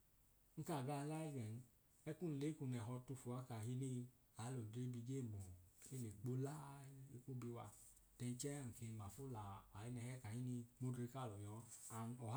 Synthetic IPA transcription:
ŋ̩˦ka˦˨ɡa˧˦˧la˦i˦ɡɛ˨n˦ | ɛ˦ku˦n̩˧le˨˦ku˧˨nɛ˨ɦɔ˧tu˧˨fu˨a˦ka˨ɦi˧ni˧ | a˨˦lo˨dɾe˦bi˧ɡe˦˨bo˨e˦le˨k͡po˦la˦i˧ku˦bi˧wa̰˧ | tɛ˧n˦t͡ʃɛ˦˨ke˧ma˨fo˦la˨a˨i˦nɛ˧hɛ˦ka˨hi˦ni˧mo˦dɾe˧ka˦˨lɔ˨ɲɔ˨˧˦a˨ɔ˨ɦ

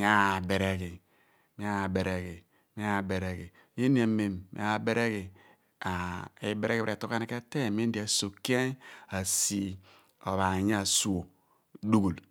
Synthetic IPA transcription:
mi˦a˦˨be˨ɾe˨ɡi˨ | mi˦a˦˨be˨ɾe˨ɡi˨ | mi˦a˦˨be˨ɾe˨ɡi˨ | m˦e˦ni˦e˨˦me˨mmḭ˦a˦˨be˦ɾe˦ɡi˨ | a˨e˨be˨ɾe˦ɡi˦˨ɾe˨to˦ka˦ne˦ke˦te˦˨mi˦di˨a˨so˨ki˦e˦na˨si˦ | o˨βa˨ɲ˦a˦˨su˨o˨ | du˦ɡu˨l

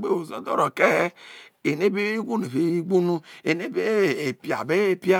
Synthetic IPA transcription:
ɡ͡be˦o˨zo˦dɔ̰˦ɾo˨ke˦e˨ne˦be˦i˦ɡʷu˦n˨e˨βe˦i˦ɡ͡bu˦nu˦e˨ne˦be˦˨e˨pi˨a̰˨be˦e˦pi˦a˦

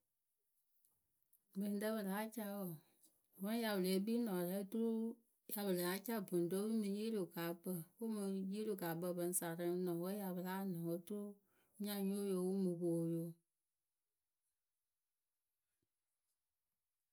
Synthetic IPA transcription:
bɨ˨n˨də˦bə˨la˨˦t͡ʃa˧˦wɔ˨ | bə˦ja˨bɨ˨le˨e˦biː˦nɔ̃˨lɛ˦tu˦ɾu˦ | ja˨bɨ˨la˨˦t͡ʃa˦˨bu˨n˨do˦wu˦mɨ̃˧˦ji˦lu˨ɡa˨˦bə˦˨wu˦mɨ˧ji˦lu˨ɡa˨˦bə˧˨bə˧n˦sa˨ɾə˦nɔ̃˨wə˦ja˨bə˨la˦nə̃˨wo˦tu˦ɾu˦ | ɲã˦ɲo˦jo˧˦˨wu˦mɨ˨ko˨jo˦

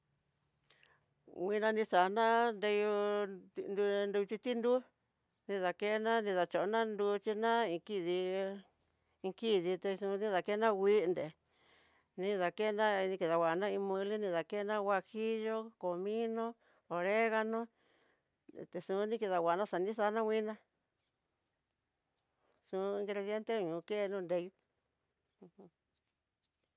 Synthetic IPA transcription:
wĩ˧nã˧nĩ˧sa˨˧nã˦nd̪e˧ju˧ | ndu˧nd̪u˧t͡ʃi˧t̪i˦nd̪u˦ | nĩ˧ða˨ke˦nã˦nĩ˧ða˨˧t͡ʃo˨ʔnã˦nd̪u˧t͡ʃi˧nã˦ĩ˧ki˦ði˧ | i˧ki˦ði˧t̪e˧sũ˧nĩ˦ða˨ke˦nã˦˧wi˦˧nd̪e˨ | nĩ˧ða˧ke˦˧nã˦˧nĩ˧ki˧ða˨wʷa˨˧nã˦˧ĩ˧mũ˧li˦nĩ˧ða˨ke˦˧nã˦˧wa˧xi˦ʒo˦ko˨mĩ˦nõ˦ | o˨˧ɾe˦ɣa˧nõ˦ | t̪e˧sũ˧nĩ˦ki˧ða˨wʷa˨˧nã˦ʂa˨nĩ˦sa˧˦nã˦˧wʷĩ˦nã˦ | sũ˧ĩ˧ŋɡɾe˧ðje˦nt̪e˦˧ɲũ˨˧ke˦˧nũː˦˧nd̪e˧jũ˦˧

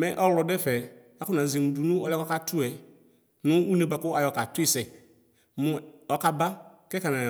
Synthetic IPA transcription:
mɛ̃˦ʔɔ˦wlɔ˨dɛ˦fɛ˨ | a˦kʊ˦nã˨zi˨mũ˨du˨nũ˦ɔ˦lɛ˦kɔ˦ka˦tʊ˦ɛ˨ | nʊ̃˦u˦nẽ˨ba˨kʊ˦a˨jɔ˨ka˨tʊ˦i˦sɛ˨ | mʊ̃˨ɔ˦ka˦ba˦kɛ˦ka˨nã˨

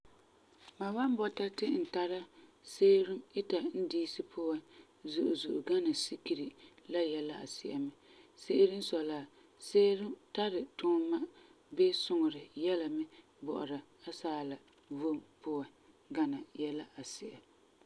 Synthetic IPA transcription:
ma˨wa˦m˦bɔ˦ta˦tɪ˦n̩˨ta˦ɾa˦seː˦ɾɪ˦mɪ˦ta˨n̩˦diː˦sɨ˦pʰʊ˦wa˦ | zʊ˨ʔʊ˨zʊ˨ʔʊ˨ɡa˦na˨si˦ki˨ɾi˨la˦jɛ˦la˦ʔa̰˨sɪ˨ʔa̰˨mɪ˦se˦ɪ˦ɾɨ˦n˦sɔ˨la˨ | seː˦ɾɪ˦mta˦ɾɪ˨tʊː˦ma˦ | be˦sʊ˦ŋʊ˨ɾɪ˨jɛ˦la˨mɪ˦ | bɔ̰˨ʔʊ̰˨ɾa˨a˦saː˦la˨ | vo˦˨mpʊ˦wa˨ | ɡa˨na˨jɛ˦la˦ʔa˨sɪ˨ʔa˨

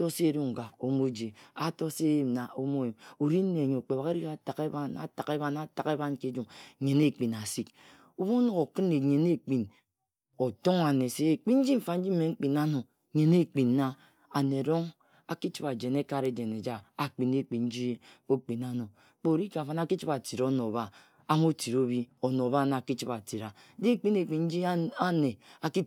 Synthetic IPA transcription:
to˦se˦e˨ɾu˦ŋ̩˨ɡa˨o˦mo˦d͡ʒe˨a˦to˦se˦je˨mna˨o˦mo˦˨je˨mo˨ɾi˦n̩˦ne˨ɲo˨k͡pe˨βa˨ɣe˦ɾi˦ka˦ta˨ke˦ba˦na̰˨ta˨ke˦βa˦na˦˨ta˨ke˦ba˦n˦ke˦d͡ʒu˨m˨ɲe˨ne˦k͡pi˨na˨si˦k | o˦bo˦no˦ɣo˨kɨ˦ne˨ɲe˨ne˦k͡pi˨n | o˨to˦ŋa˨ne˨se˦e˨k͡pi˦n̩˦d͡ʒi˦m̩˨fa˨n̩˦d͡ʒi˦m̩˦e˨ŋ͡m̩˦k͡pi˨na˦no˨ | ɲe˨ne˦k͡pi˨nː˦a˦ | a˨ne˨a˨ɾo˦ŋ | a˦ki˦t͡ʃi˦ba˨d͡ʒe˨ne˦ka˦ɾe˦d͡ʒe˨ne˨d͡ʒa˦a˨k͡pi˨ne˨k͡pi˨n̩˦d͡ʒi˦o˦k͡pi˨na˦no˨ | k͡po˨ɾi˦ka˨fa˦na˦ki˦t͡ʃi˦ba˨ti˨ɾo˦no˨ba˦ | a˦m˦o˦ti˨ɾo˦bi˦o˨no˨ba˦na˨ki˦t͡ʃi˦ba˨ti˨ɾa˨˦di˦e˦˨k͡pi˦ne˨k͡pi˨n̩˦d͡ʒi˦a˦ne˨a˨ki˦

